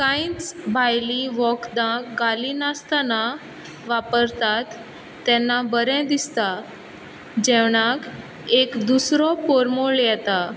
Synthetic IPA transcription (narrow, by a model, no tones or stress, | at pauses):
kãĩt͡sbʱajliʋɔkd̪ãkɡalinast̪ana | ʋapəɾt̪at̪ː | ɛnːabəɾɛ̃d̪ist̪a | d͡ʑɛʋɳak | ekd̪usɾɔpoɾmoɭjɛt̪a